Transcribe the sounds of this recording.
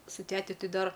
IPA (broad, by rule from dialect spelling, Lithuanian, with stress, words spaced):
sʊ ˈtʲæːtʲɪ ˈtʲɪ ˈdɐr